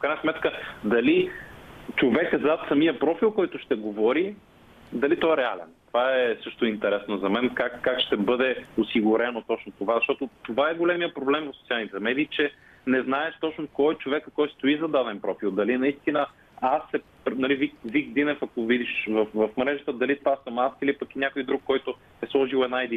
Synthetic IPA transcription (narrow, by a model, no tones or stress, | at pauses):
ofkɾajnəsmɛt̪kəd̪ɐli | t͡ʃovɛkzat̪sɐmijəpɾɔfilˠkɔjt̪ʊʃt̪ɛɡovɔɾi | d̪ɐlit̪ɔɛɾɛa̰lɛ̰nt̪ovaɛsɤʃt̪ʊint̪ɛɾɛsnozɐmɛnkakːakʃt̪ɛbɤd̪ɛosiɡʊɾɛnot̪ɔt͡ʃnot̪ovazɐʃt̪ɔt̪ot̪ovaɛɡolɛmiəpɾoblɛmvɐfso̥t̪ialˠnit̪ɛmɛd̪iːt͡ʃɛ | nɛznaɛʃt̪ɔt͡ʃnokɔjt͡ʃovɛkəkɔjt̪st̪oizɐd̪ad̪ɛnpɾɔfilˠd̪ɐlinɐist̪inə | asːɛ | pɾnɐlivikvikd̪inɛfɐkovid̪iʃvɐfvɐfmɾɛʒət̪əd̪ɐlit̪ovasəmasilipəkinʲakojd̪ɾukːɔjt̪ʊ | ɛslˠɔʒilˠɛd̪naɛd̪i